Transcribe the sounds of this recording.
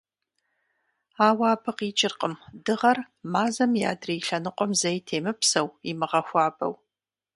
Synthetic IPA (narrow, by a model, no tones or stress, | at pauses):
aːwaːbʰɨqiːt͡ʃʼɪrqʼəmdɨʁɐr | maːzɐmja̰ːdriːɬɐnɨqʷʼɔmzɐjtʰeːmɨpsɐwimɨʁɐxʷɑːbɐ̰w